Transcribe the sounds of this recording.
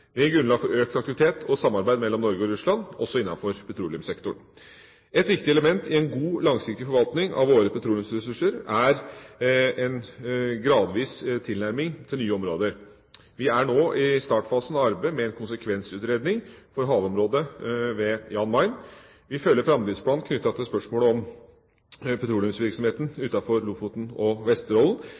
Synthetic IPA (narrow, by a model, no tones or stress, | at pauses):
ʋɪæɾɡɾʉnlɑɡ̪fɔɾøːk̚t̪ɑkt̪ɪʋɪt̪ʰeːt̪ʰɔsɑmːɑɾbæɪd̪mɛlːɔmnɔɾɡəɔɾʉslɑnɔsːɔɪnːɑ̰nfɔɾpʰɛt̪ʰɾuːlɪʉmsɛkt̪ʊɳ | ɛt̪ʋɪkt̪ɪɛləmɛnt̪ʰɪɛnɡuːlɑŋsɪk̚t̪ɪfɔɾʋɑlt̪nɪŋɑ̰ʋoːɾəpʰɛt̪ʰɾuːlɪʉmsɾɛsʉʂəɾæɾ | ɛnɡɾɑːd̪ʋiːst̪ʰɪlnæɾmɪŋt̪ʰɪlnyːəɔmɾoːd̪əɾ | ʋɪæɳoːʔɪst̪ɑːʈfɑːsən̩ɑɾbeɪmɛɛnkʰʊnsəkʰʋɛnsʉːt̪ɾeːd̪nɪŋfɔɾɦɑːʋɔmɾoːd̪əʋɛjɑːnmɑɪn | ʋɪfœlːəɾfɾɑmd̪ɾɪːspʰlɑːnkʰnʏt̪ːɑt̪ʰɪlspœʂmoːləɔm | pʰɛt̪ɾuːlʊmsʋɪɾksɔmheːt̪n̩ʉːt̪ɑfɔɾlʊfʊt̪n̩ɔʋɛst̪əɾɔln̩